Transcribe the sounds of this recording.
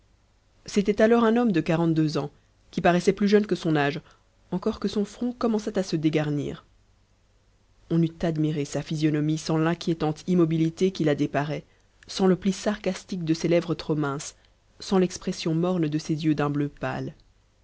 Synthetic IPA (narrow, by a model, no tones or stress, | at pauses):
set̪ɛt̪alɔʁɛ̃nɔmd̪əkaʁɑ̃t̪̚d̪øzɑ̃ | kʲipaʁɛsɛplyʒœnkəsɔ̃naʒ | ɑ̃kɔʁkəsɔ̃fχɔ̃kɔmɑ̃sat̪asəd̪eɡaʁnḭːʁ | ɔ̃nyt̪ad̪miʁesafizjɔnɔmisɑ̃lɛ̃kʲjet̪ɑ̃t̪ʰimɔbilit̪ekʲilad̪epaʁɛ | sɑ̃ləplisaʁkast̪ik̚d̪əselɛvʁət̪χomɛ̃sː | ɑ̃lɛkspχɛsjɔ̃mɔʁnd̪əsezjød̪ɛ̃bløpa̰l